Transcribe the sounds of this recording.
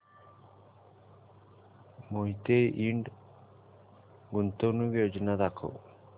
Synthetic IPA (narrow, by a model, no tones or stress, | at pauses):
moɦit̪ejʔiɳɖ | ɡunt̪onubijod͡ʒnad̪akʰo̰